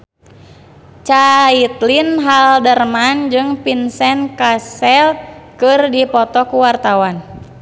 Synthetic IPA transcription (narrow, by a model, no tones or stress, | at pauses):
t͡ʃait̪linɦaldərmand͡ʒɨŋpinsɛnkasɛlkɨrdipɔt̪ɔkuwart̪awan